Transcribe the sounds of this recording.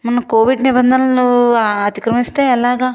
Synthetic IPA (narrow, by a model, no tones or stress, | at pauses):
mɐnɐkoːʋiɖnibɐnd̪ʱɐnɐluɐt̪i̥kɾɐmist̪e̞ːɛlaːɡaː